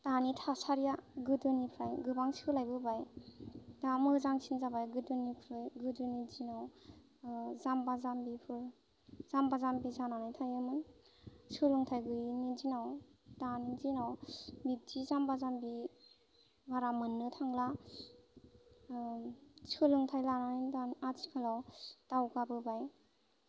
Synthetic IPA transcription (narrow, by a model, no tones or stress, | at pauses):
tanitʰasaɾijaɡɯdɯnipʰɾajɡɯbaŋsɯlajbɯbaj | damɯzaŋsʰinzabajɡɯdɯnipʰɾɯjɡɯdɯnid͡ʒinaw | zambazambipʰɯɾ | zambazambizananajtʰajɯmɯn | sɯlɯŋtʰajɡɯjnid͡ʒinawdaninzinawbitʰizambazambi | baɾamɯnːɯtʰaŋla | sɯlɯŋtʰajlananindanat͡ʃʰi̥kʰalawtawkabɯbaj